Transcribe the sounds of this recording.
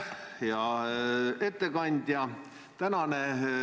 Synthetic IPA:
jɑ | e̞t̪ːe̞kɑnʲd̪̥ʲjɑ | t̪ænɑne

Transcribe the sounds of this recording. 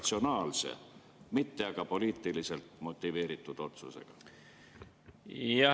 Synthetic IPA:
t̪sio̞nɑːlse̞̰ | mit̪ːe̞ɑɡ̥ɑpo̞liːt̪ˑːilise̞lt̪mo̞t̪ːˑive̞ːɾit̪ːˑud̪̥o̞t̪sṵse̞̰ɡ̥ɑ̰ | jɑ

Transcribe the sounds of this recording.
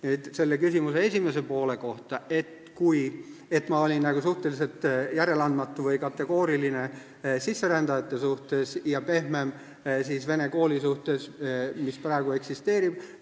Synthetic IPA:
nit̪se̞lːe̞kysʲimuse̞esʲimese̞po̞ːle̞ko̞ht̪ɑe̞t̪ | kuje̞t̪ːˑmɑo̞lʲinːæɡ̥usuht̪e̞lise̞lt̪ˑjæɾe̞lɑnd̪mɑt̪ːˑuvɯjkɑt̪ːˑe̞ɡ̥o̞ːɾiline̞ | sisːe̞ɾænd̪̥ɑjɑt̪ːˑe̞suht̪e̞sjɑpe̞hmem | siːsve̞ne̞ko̞ːlʲisuht̪e̞smisprɑeɡ̥ue̞ksist̪e̞ːɾib̥

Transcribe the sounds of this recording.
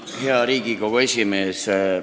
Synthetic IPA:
he̞ɑɾiːɡ̥iko̞ɡ̥ue̞sʲimeːse

